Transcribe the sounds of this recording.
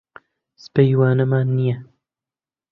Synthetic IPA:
spejwaːnɐmaːnːijɐ

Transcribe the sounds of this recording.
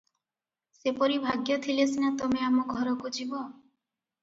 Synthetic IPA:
sepɔɾibʱaɡjɔt̪ʰilesinat̪ɔmeamɔɡʱɔɾɔkud͡ʒibɔ

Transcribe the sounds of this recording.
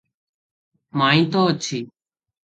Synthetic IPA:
maːĩːt̪oːət͡ʃʰiː

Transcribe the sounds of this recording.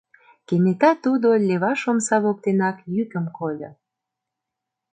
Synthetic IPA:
kenet̪ɑt̪ud̪olʲeβɑʃomsɑβok̚t̪enɑkjykə̆mkolʲo

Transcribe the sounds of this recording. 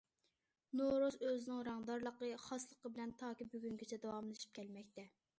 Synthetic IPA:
noɾozøzɪnɪŋɾɑŋd̪ɑɾlˠəqəχɑslˠəqəbɪlɛnt̪ʰɑːkʲibøɡʲyŋɡʲet͡ʃʰɛd̪ɑwɑmlˠɨʃi̥p̚kʲʰɛlmɛk̚ʲt̪ɛ

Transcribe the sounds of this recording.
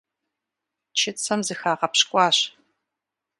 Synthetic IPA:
t͡ʃʰɪt͡sʰʼɐmzɨxaːʁɐpɕkʷʼɑːɕ

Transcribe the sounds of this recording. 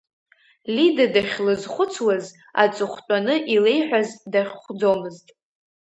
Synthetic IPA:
lidadaχʲlɨzχʷʊt͡sʰwaz | a̰t͡sʼɨχʷt͡pʷʼanɨʔile̞jħʷᶣazdaχʲχʷd͡zomɨztʼ

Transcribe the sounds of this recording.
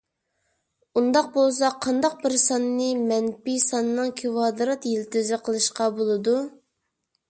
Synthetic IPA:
und̪ɑq̚bolˠs̬ɑqʰːɑnd̪ɑq̚bɪɾsɑnːɨmɛnpisɑnːɨŋkʲʰiwɑːd̪ɨɾɑt̪jilt̪ɪzɪqʰəlˠɨʃqɑbolˠɨd̪u

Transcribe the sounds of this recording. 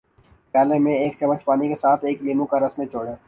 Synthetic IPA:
pɛːlemẽeːk̚t͡ʃɐmət͡ʃpaːnikesaːt̪ʰeːkliːmõkaɾɐsnet͡ʃoːɽeː

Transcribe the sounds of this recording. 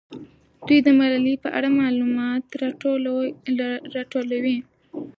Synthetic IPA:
d̪ujd̪əmalalipəʔa̰ɽamɑlumɑt̪ | ɾɑʈolawi

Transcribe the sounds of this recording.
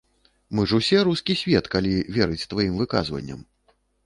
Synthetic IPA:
mɨʐusʲɛɾuskʲisʲvʲɛt̪kalʲivʲɛɾɨt͡sʲt̪vajimvɨka̰zvɐ̰nʲːɐ̰m

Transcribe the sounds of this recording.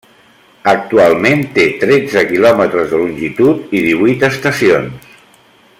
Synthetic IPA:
ək̚t̪ualˠment̪et̪ɾɛd͡zəkilɔmət̪ɾəzðəlunʲʒit̪ut̪iðiβujt̪əst̪əsionss

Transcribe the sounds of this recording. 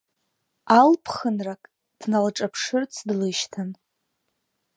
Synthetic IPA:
alpʰχənrakʼ | d̥nalʈ͡ʂʼapʰʂɨrt͡sʰdlɨʃtʰan

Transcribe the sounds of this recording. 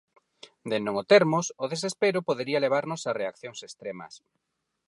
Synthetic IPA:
d̪enõŋot̪eɾmʊsʊðes̬espeɾʊpoðeɾiɐleβ̞aɾnʊsareakθjoŋsest̪ɾemɐ̰s

